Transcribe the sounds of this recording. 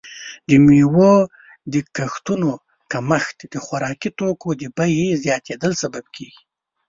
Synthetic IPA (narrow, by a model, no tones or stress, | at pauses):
d̪əmewo | d̪əkaxt̪uno | kamaxt̪d̪əxwaɾɑkit̪okod̪əbajezjɑt̪ʰed̪əlsabab̚kʰeɡi̥